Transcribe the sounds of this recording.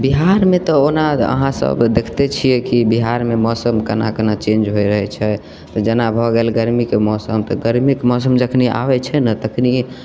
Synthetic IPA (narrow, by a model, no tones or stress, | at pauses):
biɦaɾmet̪ɔonaə̰ɦãsə̰bd̪ekʰt̪ɛt͡ʃʰijɛkibiɦaɾmemɔsəmkənakənat͡ʃẽnd͡ʒɦojɾəɦɛt͡ʃʰɛ | t̪ɔd͡ʒənabʱɔɡelɡəɾmikemɔsəmt̪ɔɡəɾmikemɔsəmd͡ʒəkʰnia̰bɛt͡ʃʰɛnət̪əkʰni